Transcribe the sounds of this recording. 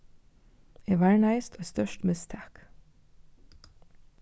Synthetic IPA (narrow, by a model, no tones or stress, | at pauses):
eːʋæːɹɳæɪst̪ʰoːst̪œʃtmɪst̪ʰɑːk